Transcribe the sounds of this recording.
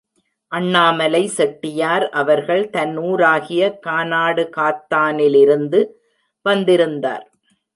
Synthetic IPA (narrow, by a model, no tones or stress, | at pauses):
ʔɐɳːaːmɐlɐɪsɛʈːɪjaːɾʔɐʋɐɾɣɐɭt̪ɐnːuːɾaːɣɪjɐkaːnaːɽɯkaːt̪ːaːnɪlɪɾɯnd̪ɯ | ʋɐnd̪ɪɾɯnd̪a̰ːɾ